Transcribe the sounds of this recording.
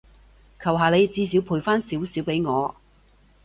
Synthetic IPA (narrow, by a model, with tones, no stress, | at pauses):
kʰɐ˨˩wɦaː˨le˨˧jt͡siː˧s̬iː˨˥wpʰuː˨˩jfaː˥nsiː˨˥wsiː˨˥wpe˨˧˥jŋɔː˨˧